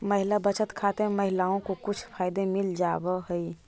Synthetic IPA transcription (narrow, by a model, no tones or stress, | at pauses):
məɦilabət͡ʃət̪kʰat̪eməɦɪlaõkokʊt͡ʃʰpʰaːɪd̪emild͡ʒaːbəɦəi